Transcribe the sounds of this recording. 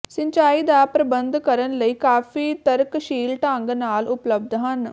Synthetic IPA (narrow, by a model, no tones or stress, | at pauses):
səɲt͡ʃaːiːd̪aːpɾəbənd̪kəɾənləiːkaːfiːt̪əɾkʃiːlʈãːŋɡnaːlʊpləb̚d̪ɦən